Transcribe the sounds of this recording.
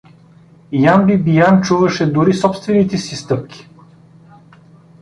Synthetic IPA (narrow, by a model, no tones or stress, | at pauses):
janbibijant͡ʃuvɐʃɛd̪uɾisɔpst̪vɛnit̪ɛsist̪ɤp̚kʲi̥